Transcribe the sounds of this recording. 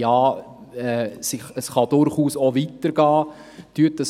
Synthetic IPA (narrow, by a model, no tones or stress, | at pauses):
jɑː | ɛsɪχəsχɑd̥ʊɾχuːsovitəɾɡ̥ɑː | tyətəs